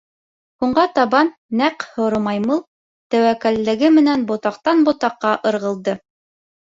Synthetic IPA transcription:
huɴɢɑt̪ɑβɑnːæqhŏɾɤ̆mɑjmɤlˠ | t̪æwækælːɘ̆ɡɘmɘ̆nænbŏt̪ɑqt̪ɑnbŏt̪ɑqːɑʔɤ̆ɾʁɤ̆lˠd̪ɤ

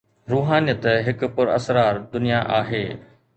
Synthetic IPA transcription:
ɾuːɦaːnijət̪ɦɪk̆pʊɾɐ̰sɾaːɾd̪ʊnijaʔaːɦeː

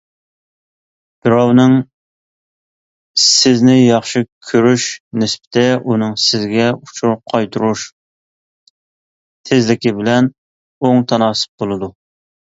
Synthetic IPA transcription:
b̥ɪɾɑwnɨŋ | sɪznɪjɑχʃɨkʲʰøɾyʃnɪspʰɪ̥t̪ɛʔunɨŋsɪzɡʲɛut͡ʃʰuɾ̚qʰɑjt̪ʰuɾuʃ | t̪ʰɪzlɪkʲibɪlɛn | oŋt̪ʰɑnɑːsɨ̥p̚bolˠɨd̪u

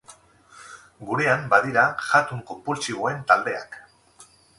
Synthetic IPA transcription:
ɡuɾe̞ambaðiɾaʝat̪uŋkompult͡siβ̞oe̞nt̪ald̪e̞a̰k

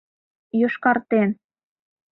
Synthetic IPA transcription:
joʃkɑrt̪en

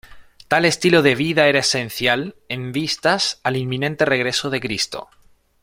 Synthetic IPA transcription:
t̪ale̞st̪iloðe̞β̞iðae̞ɾaese̞n̟θjale̞mbist̪asalimːĩnẽ̞nt̪e̞reɣ̞ɾe̞soð̞e̞kɾist̪o̰

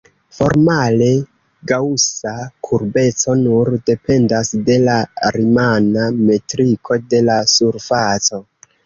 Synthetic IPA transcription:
fo̞̰ɾmale̞ | ɡawusakʰuɾbe̞t͡so̞nuɾde̞pe̞ndasde̞laɾimaname̞tɾikʰo̞de̞lasuɾfat͡so̞

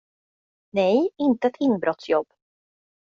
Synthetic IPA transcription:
nɛjɪnt̪əɛt̪ʰɪnbɾɔt̪sjɔb̥ː

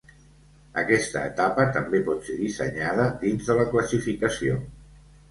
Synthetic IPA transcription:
əkɛst̪ə̰ːt̪apət̪əmbepɔt̪seðisə̰ɲað̞əd̪inzðələkləsifikəsio

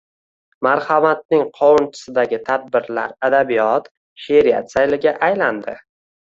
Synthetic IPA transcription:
maɾhamat̪̚nɪŋqʰɒwʊnt͡ʃʰɪ̥sɪd̪aɡʲɪt̪ʰad̪̚bɪɾla̰ɾad̪abijɒt̪ | ʃeɾɪja̰t̪sajlɪɡʲaʔajland̪ɪ̰

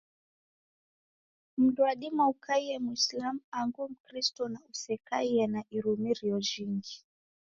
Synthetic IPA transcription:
m̩ɗuaɗimaukʰaiɛmuislamuaŋɡum̩kɾistɔnausɛkaiɛnaʔiɾumiɾiɔʒiŋɡi

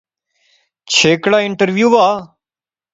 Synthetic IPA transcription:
t͡ʃʰeːkɽaːɪɳʈəɾʋjuːʋaː

